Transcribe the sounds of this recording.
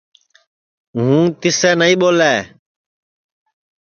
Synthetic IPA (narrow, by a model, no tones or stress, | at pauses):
ɦũːt̪ɪsɛːnəĩːɓoːlɛː